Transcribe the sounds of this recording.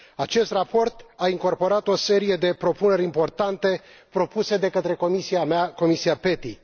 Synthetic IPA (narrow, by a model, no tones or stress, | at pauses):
at͡ʃe̞st̪rapo̞rt̪aiŋko̞rpo̞ɾat̪o̞se̞ɾije̞d̪e̞pɾo̞pune̞ɾʲimpo̞rt̪ant̪e̞ | pɾo̞puse̞d̪e̞kət̪ɾe̞komisiamako̞misiape̞t̪i